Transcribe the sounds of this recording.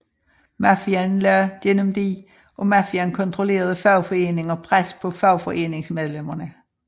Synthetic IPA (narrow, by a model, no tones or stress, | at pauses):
mæfiænlæɐd̥enəmd̥i | ʔɒ̽mæfiænkʰɒ̽nt͡sʰʁo̝le̝̰ːɐð̞ˠəfɑʊfɒ̽e̝̰ːne̝ŋɒpʰʁaspʰɒ̽fɑʊfɒ̽ʔe̝̰ːne̝ŋsmeðˠlem̰ɐnə